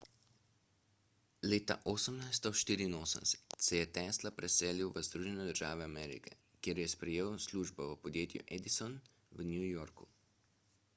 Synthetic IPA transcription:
leːt̪a̰ʔoːsəmnajs̬t̪ɔʃt̪iːɾiːnoːsə̰msɛ̥tt̪sɛjɛt̪ɛːslapɾɛseːliwʋəzd̪ɾuʒɛnɛd̪əɾʒaːʋɛamɛːɾḭkɛ̰ | kjeːɾjɛspɾɛjeːwsluːʒbɔʋəpɔd̪jeːt̪jṵʔɛd̪isɔn | ʋnjujoːɾku

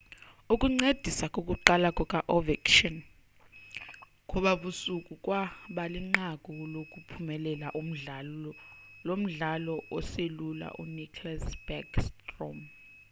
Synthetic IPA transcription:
ukʼuŋ͡ǀed̥ʱisakʼokʼuǃalakʼɔkʼaʔɔvɛkʼʃɔn | kʼɔɓaɓusukʼukʼwaɓaliŋ͡ǃakʼɔlokʼupʰumɛlɛlaʔ̩ | lom̩ɮalɔʔɔselula̰ʔṵnikʰlasb̥akstrɔm

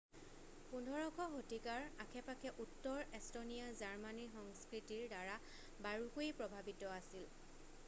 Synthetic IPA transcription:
pundʱɔɹɔkʰɔɦotikaɹakʰɛpakʰɛʔutːɔɹestonijazaɹmanixɔŋskɹitiɹdaɹa | baɹuxojpɹɔbʱabitɔasil

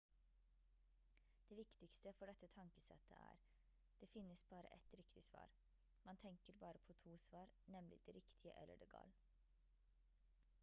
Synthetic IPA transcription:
d̪̥eːʋɪkt̪ɪkst̪əfɔɖɛt̪ːət̪ʰɑŋkəsɛ̰t̪ʰːə̰ʔæ̰ːɾ | d̪̥eːfɪnːəsbɑːɾə̰ʔɛt̪ɾɪkt̪ɪsʋɑ̰ːɾ | mɑnt̪ʰɛŋkəɾbɑːɾəpʰɔt̪ʰuːsʋɑːɾnɛmlɪ̰d̪̥eɾɪkt̪ʰɪəʔɛ̰lːʔə̰ɖeːɡɑ̰ːl

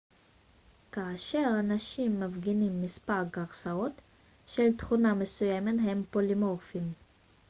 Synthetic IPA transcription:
kaːʃe̞ʁanaʃimːavɡinimːispaʁɡaʁsaot̪ | ʃeltχuname̞sujemetɦempolimofim

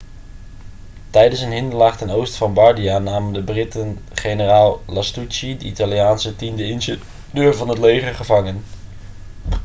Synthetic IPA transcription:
tɛjdənsənɦɪndəlaːχtɛnowstfɑnbɑɹdianaːməndəbrɪtənχejnəraːlˠlastut͡ʃidəʔitalijaːnsətimdəɪnʃə | døːɹvɑnɦətlejχəɹχəvɑŋən

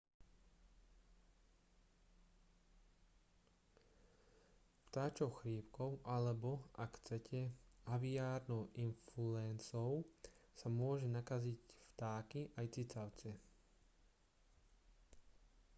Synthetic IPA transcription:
ft̪aːt͡ʃɔʊxɾiːpkɔʊʔalɛbɔakxt͡sɛcʰɛaʋiaːɾnɔʊʔinfluɛnt͡sɔʊsamʊɔʒɛnakazicft̪aːkiʔajt͡sit͡saʊt͡sɛ

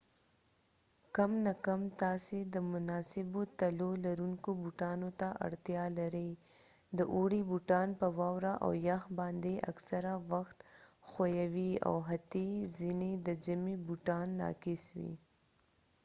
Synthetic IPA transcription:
kamnakamt̪ɑsed̪əmʊnɑsɪbot̪alolaɾuŋkobuʈɑnot̪aʔa̰ɽt̪jɑlaɾəj | d̪əʔoɽibuʈɑnpəwɑwɾaʔa̰wjaxbɑnd̪eʔa̰ksaɾawaxt̪xojawia̰wɦat̪izined̪əd͡ʒamibuʈɑnːɑ̰kɪswḭ

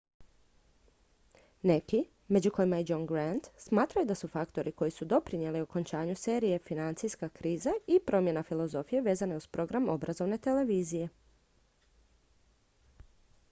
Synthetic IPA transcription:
ne̞ki | me̞d͡ʒuko̞imajed͡ʒoŋɡɾant̪smaːt̪ɾajud̪asufakt̪o̞ɾiko̞jisud̪o̞pɾinje̞lioko̞nt͡ʃaːɲuse̞ːɾije̞finant̪sijskakɾiːzaipɾo̞mjenafilˠo̞zo̞fijeʋe̞ːzane̞uspɾo̞ɡɾamo̞̰bɾazo̞ʋne̞t̪e̞le̞ʋiːzije̞

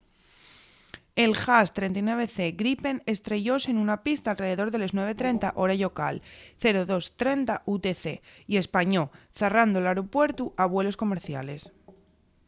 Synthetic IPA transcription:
e̞lxast̪ɾe̞nt̪ainwe̞βe̞θe̞ɣɾipe̞ne̞st̪ɾe̞ʝo̞senunapist̪aːlre̞ðe̞ðo̞ɾðe̞le̞znweβ̞et̪ɾe̞nt̪aʔo̞ɾaʎo̞ka̰lθe̞ɾoðo̞st̪ɾe̞nt̪aʔut̪e̞θe̞ie̞spaɲo̞ | θerand̪olaɾopwe̞ɾt̪uʔaβ̞we̞lo̞sko̞me̞ɾθjale̞s

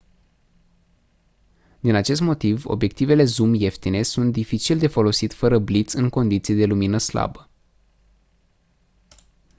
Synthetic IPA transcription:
d̪inat͡ʃe̞s̬t̪mo̞t̪ivo̞̰bjek̚t̪ive̞le̞zumje̞ft̪ine̞sunt̪̚d̪ifit͡ʃild̪e̞fo̞lo̞sit̪ʲfəɾəblit̪sɨŋko̞nd̪it̪sijed̪e̞luminəsla̰bə

